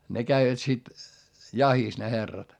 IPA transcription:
ne kæiʋæt sit jɑhis ne herːɑt

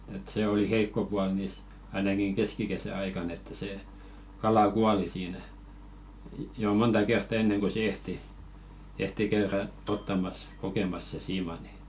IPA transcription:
et se oli heikːo puɑl niˑs ɑinɑkiŋ keskikesæ ɑikɑnˑ etːæ seˑ kɑlɑ kuɑli siːnæ jo montɑ kertːɑ enːeŋ ko se ehti ehti kæyræ otːɑmɑs kokemɑs se siːmɑ ni

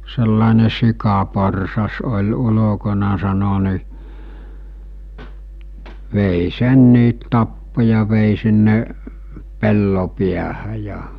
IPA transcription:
selːɑˑene sikɑporsɑs olʲ ulokonɑ sɑno ni ʋeˑi senːiːt tɑpːo jɑ ʋeˑi sinːe pelːo piæhæ jɑ

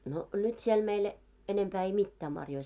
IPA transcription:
no nyt siel meil enempæː ei mitːæː mɑrjoi

